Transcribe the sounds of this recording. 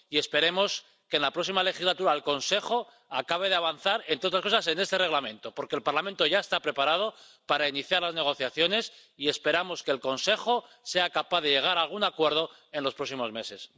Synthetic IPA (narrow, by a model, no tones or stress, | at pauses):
ie̞spe̞ɾe̞mo̞s | ke̞ːnlapɾo̞ksimale̞xizlat̪uɾaelko̞nse̞χo̞ | akaβ̞e̞ð̞eaβan̟θaɾent̪ɾeot̪ɾasko̞sase̞ne̞st̪e̞re̞ɣlamẽ̞nt̪o̞po̞ɾkelpaɾlamẽ̞nt̪oʝae̞st̪apɾe̞paɾað̞o̞ | paɾainiθjaɾlazne̞ɣ̞o̞θjaθjo̞ne̞sie̞spe̞ɾamo̞ske̞ːlko̞nse̞xo̞ | se̞akapaðe̞ʝe̞ɣ̞aɾalɣ̞unakwe̞ɾð̞o̞ | e̞nlo̞spɾo̞ksimo̞zme̞se̞s